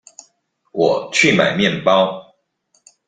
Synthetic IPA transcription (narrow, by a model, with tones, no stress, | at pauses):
wɔ˨˩t͡ɕʰy˥˨ma̰˨˩ɪmjɛ˥˨npɑ˦ʊ